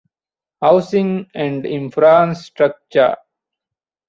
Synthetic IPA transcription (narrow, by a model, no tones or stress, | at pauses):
haʊsĩŋɛ̃ɳɖɪ̃nfɾãnsʈɾək̚t͡ʃə̰ɾ